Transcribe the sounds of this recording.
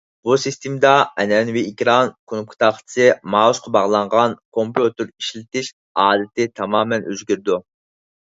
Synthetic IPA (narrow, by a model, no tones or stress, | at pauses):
busist̪ʰemd̪ɑɛnɛnwɪikʲɾɑnkʰonup̚kʰʊ̥t̪ʰɑqʰsɨmɑːuʃqʰɑbɑʁlˠɑɴʁɑnkʰompjut̪ɨɾiʃlɪt̪ɪʃ | ɑːd̪ɪt̪ʰɪt̪ʰɑmɑːmɛnøzɡʲyɾd̪u